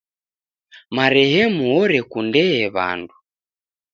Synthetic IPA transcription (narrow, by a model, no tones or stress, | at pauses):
maɾɛɦɛmuɔɾɛkundɛɛβa̰ndu